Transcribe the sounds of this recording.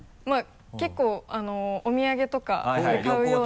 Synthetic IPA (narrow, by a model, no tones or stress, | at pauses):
ma | ke̞kːo̞ːano̞omʲiaɡe̞t̪o̞ka̰ekaɯ̟jo̞ː